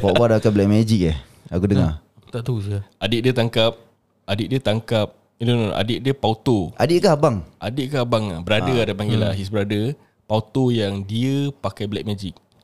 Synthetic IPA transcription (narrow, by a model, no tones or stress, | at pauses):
pabadaakajblɛʔ̚mad͡ʒik̚ɛh | aɡudəŋa̰ | t̪aʔt̪usiadɪʔ̚diət̪aŋkap̚ | ʔadɪʔ̪̚diət̪aŋkap̚ | idono̰ʔa̰dɪʔ̚diəpaut̪oʔa̰dɪʔ̚kaɦabaŋʔadɪʔ̚kahabaŋa̰hbəɾadəadapaŋɡila̰ɦis̬bəɾadə | paut̪ojaŋdiəpakajblɛʔ̚mad͡ʒik̚